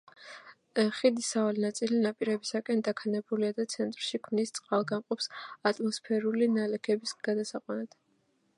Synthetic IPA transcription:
χid̪isavalinat̪sʼilinapʼiɾɛbisakʼɛnd̪akʰanɛbuliad̪at̪sʰɛnt̪ʼɾʃikʰmnist̪sʼqʼalˠɡamqʼɔpsat̪ʼmɔspʰɛɾulinalɛkʰɛbisɡ̥ad̪asaqʼwɛnat̪ʰ

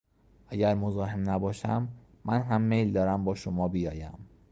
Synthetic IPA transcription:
ʔæɟæɾmozɒːɦemnæbɒːʃæmː | ænɦæmːe̞jld̪ɒːɾæmbɒːʃomɒːbijɒːjæ̰m

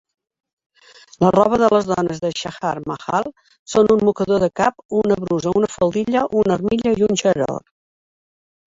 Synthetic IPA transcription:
lərɔβ̞əðələzðɔnəzðəʃaxaɾməxa̰lˠ | sonumːukəðoðəkapunəβɾuzəunəfəlˠd̪iʎəʔunərmiʎəiunʲʃəɾo̰r

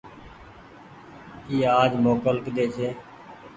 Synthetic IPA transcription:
iːaːd͡ʒmoːkəlkd̪eːt͡ʃʰeː

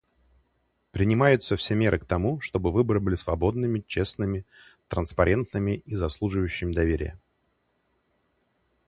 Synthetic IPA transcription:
pɾʲɪnʲɪmajʊt̪səfsʲemʲe̞ɾʔɨk̚t̪ɐmuʂt̪o̞bɨvɨbəɾɨbɨlʲɪsvɐbo̞d̪̚nɨmʲɪt͡ɕe̞snɨmʲɪ | t̪ɾənspɐɾʲe̞nt̪nɨmʲɪizɐslˠuʐɨvjʉɕːɪmʲɪd̪ɐvʲeɾʲɪ̰jə̰

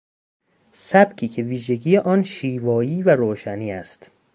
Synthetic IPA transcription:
sæb̥cʰiːcʰe̞viːʒe̞ɟiːjeʔɒːnʃiːvɒːjiːvæɾoːʃæniːæst̪

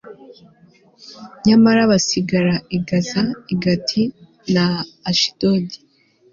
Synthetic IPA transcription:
ɲamaɾaβasiɡaɾaiɡazaiɡatʰi | naːʃi̥d̥odi

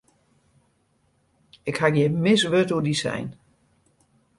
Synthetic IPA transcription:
ɪkhakjɛmɪsʋøtudisɛ̰jn

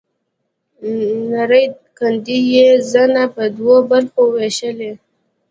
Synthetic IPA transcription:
naɾəj | kand̪ijezanapəd̪wobaɾxoweʃəle

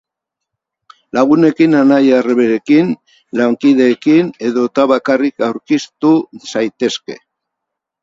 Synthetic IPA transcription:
laɣ̞une̞kinanajareβeɾe̞kin | laŋkiðe̞ːkine̞ðo̞t̪aβakarikawɾkist̪usajt̪e̞ske̞̰

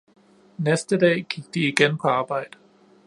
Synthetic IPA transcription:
nɛstədeːɡ̥ik̚d̥iːɡɛ̃npʰəaːbaɪd̥

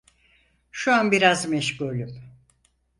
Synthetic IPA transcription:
ʃuanbiɾazmɛʃkulʲy

